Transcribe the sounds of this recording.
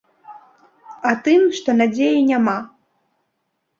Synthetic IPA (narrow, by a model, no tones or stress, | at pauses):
at̪ɨmʂt̪ɔnad͡zʲejinʲama